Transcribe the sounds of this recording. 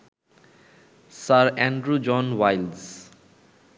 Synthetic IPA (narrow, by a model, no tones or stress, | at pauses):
saɾɛ̃ɳɖɾud͡ʒɔ̃nwajlz